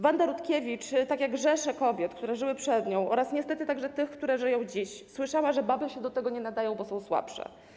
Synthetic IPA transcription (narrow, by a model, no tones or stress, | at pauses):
vand̪aɾut̪kʲevʲit͡ʂt̪akʲjaɡʐɛʂɛkɔbʲjɛt̪kt̪uɾɛʐɘwɘpʂɛd̪ɲɔ̃w̃ʔɔɾasɲɛst̪ɛt̪ɘt̪aɡʐɛt̪ɘxkt̪uɾɛʐɘjɔ̃w̃d͡ʑiɕswɘʂawaʐɛbabɘɕɛd̪ɔt̪ɛɡɔɲɛnad̪ajɔ̃w̃bɔsɔ̃w̃swa̰pʂɛ̰